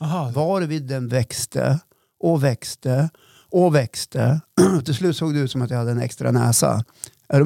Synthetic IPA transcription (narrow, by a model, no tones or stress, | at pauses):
vɑɾvɪd̪ːɛnvɛkst̪ə̰ | ʔɔvɛkst̪ə | ʔɔvɛkst̪əɔt̪ʰɪlslʉ̟ːt̪soːɡd̪ɛʉt̪sɔmat̪jajhad̪ːəɛnɛ̰kst̪ɾa̰nɛ̰ːsa̰ | æɖɔ